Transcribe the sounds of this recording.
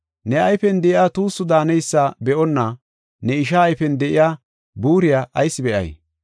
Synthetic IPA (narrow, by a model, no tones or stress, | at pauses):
nɛɐjfɛnd̪ɛʔɪjaːt̪uːsːʊd̪aːnɛjsːabɛʔɔnːa | nɛɪʃaːjfɛnd̪ɛʔɪjaː | buːɾɪjaːʔɐjsːɪbɛʔɐ̰j